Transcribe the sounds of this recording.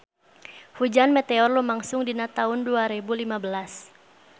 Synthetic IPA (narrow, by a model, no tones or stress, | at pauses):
hud͡ʒanmɛt̪ɛɔrlumaŋsʊŋdinat̪aɦʊnduaɾɛbulimabəlas